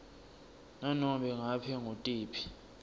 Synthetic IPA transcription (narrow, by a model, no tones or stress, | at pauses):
nanɔɓɛŋapʰɛŋotʼiːpʰi̥